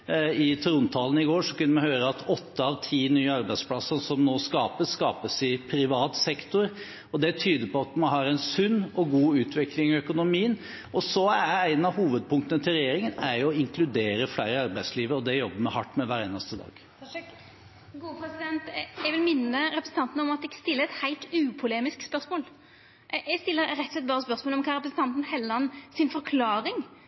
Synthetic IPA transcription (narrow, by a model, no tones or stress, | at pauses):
ɪt̪ʰɾʊnt̪ʰɑːlən̩ɪɡoːʂɔkʉnːəmɛhøːɾəɑt̪ʰɔt̪ːəɑʋt̪ʰiːnyːəɑɾbæɪd̪spʰlɑsənsɔmnoːskɑːpəsskɑːpəsɪpʰɾɪʋɑːt̪sɛkt̪ʊɾ | ɔd̪ɛt̪ʰyːd̪əpɔɑt̪mɑnɦɑɾæɛɪnsʉnːɔɡuːʉːt̪ʰʋɪklɪŋɪœkʊnʊmiːən | ʔɔsɔææɪnənɑɦuːʋəd̪̚pʰʊŋkt̪ənət̪ʰɪlɾɛjeːɾɪŋənæɾjʊɔɪŋkʰlʉd̪eːɾəflæɪɾəɑɾbæɪsliːʋəɾɔd̪ɛjɔbːəmɛɦɑʈːmɛʋæɾeːnɑst̪əd̪ɑ̰ːɡ̥ | ɡuːpʰɾɛsɪd̪ɛnt̪ɛɡʋɪlmɪnːəɾɛpɾəsn̩t̪ʰɑnt̪nəɔmɑt̪ɛkst̪ɪlːəɛt̪hæɪlt̪ʉːpʰʊleːmɪskspœɾsmoːl | ɛst̪ɪlːəɾɾɛt̪ːsɛt̪bɑːɾəspœɾsmoːlɔmkʰɑːɾɛp̬ɾəsn̩t̪ɑnt̪n̩hɛlːəɑnsɪnfɔɾkʰlɑːɾɪŋ